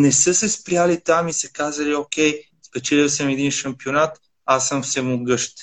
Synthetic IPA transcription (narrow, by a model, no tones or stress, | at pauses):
nɛsɤsɛspɾʲjalit̪amisɛkazəliok̟ʲɛj | spɛt͡ʃɛlisəmɛd̪inʃɐmpionat̪ | asːəmfsɛmʊɡɤʃt̪